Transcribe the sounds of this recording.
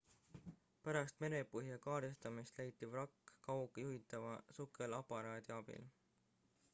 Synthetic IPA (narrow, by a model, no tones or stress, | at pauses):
pæɾɑst̪me̞ɾe̞puhjɑkɑːɾist̪ɑmist̪lejt̪ːivrɑkːɑwkjuɦit̪ːˑɑvɑsukːˑelɑpɑɾɑːd̪̥iɑbḭl